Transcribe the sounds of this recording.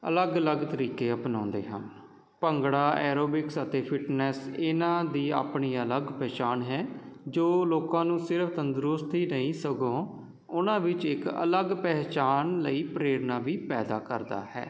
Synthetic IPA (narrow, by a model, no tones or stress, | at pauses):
ə̰ləɡələɡt̪əɾiːkeːəpnãːnd̪ḛːɦə̰n | pəŋɡɽaːɛːɾoːbɪksət̪eːpʰɪʈnɛːsɪnãːd̪iːa̰ːpɳiːələɡpɛːt͡ʃaːnɦɛːd͡ʒoːloːkãːnũːsɪɾpʰt̪ənd̪ɾʊst̪iːnəĩːsəɡõː | ʊnãːʋɪt͡ʃɪkə̰ləɡpɛːt͡ʃaːnləiːpɾeːɽnaːʋiːpɛːd̪aːkəɾd̪a̰ːhɛ̰ː